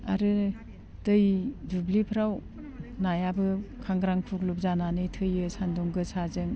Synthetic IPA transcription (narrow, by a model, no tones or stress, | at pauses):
a̰ɾɯ | dɯjdublipʰɾaw | najabɯkʰaŋɡɾaŋkʰuk̚lup̚zananɯjtʰɯjɯsanduŋɡɯsazɯŋ